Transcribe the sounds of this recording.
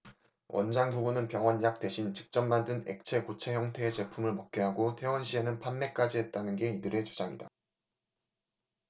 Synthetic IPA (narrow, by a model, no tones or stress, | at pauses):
wʔʌ̰nd͡ʑaŋbubunɯnpjʌŋwʌnjak̚t͈e̞ɕʰint͡ɕɯ̥k̚t͡ɕ͈ʌmːandɯne̞̰k̚t͡ɕʰe̞kot͡ɕʰe̞çjʌŋtʰe̞ːt͡ɕe̞pʰumɯɭmʌk̚k͈eɦaɡotʰe̞wʌnɕʰie̞nɯnpʰanme̞k͈ad͡ʑiɦe̞t̚t͈anɯnɡe̞idɯɾe̞t͡ɕud͡ʑaŋḭda